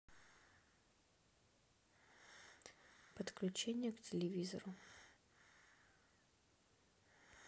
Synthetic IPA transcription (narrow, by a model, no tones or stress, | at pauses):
pət̪klʲʉt͡ɕenʲɪjəktʲɪlʲɪvʲizə̰ɾʊ